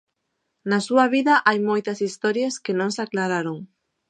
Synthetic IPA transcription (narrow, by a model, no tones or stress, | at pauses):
nasuaβiðaʔajmojt̪ɐsist̪ɔɾjaskenõŋsaklaɾaɾoŋ